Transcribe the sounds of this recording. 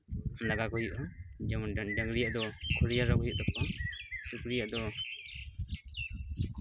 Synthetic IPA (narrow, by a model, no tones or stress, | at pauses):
laɡakɔjuʔɔd͡ʒɛmnɖɖɛŋɡɾijaʔd̪ɔkʰuɾijaɾɔkɔjuʔd̪ɔpɔʔɔsukɾijaʔd̪ɔ